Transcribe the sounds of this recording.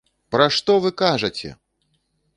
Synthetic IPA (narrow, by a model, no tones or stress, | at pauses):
pɾɐʂt̪ɔvɨkaʐɐt͡sʲɛ̰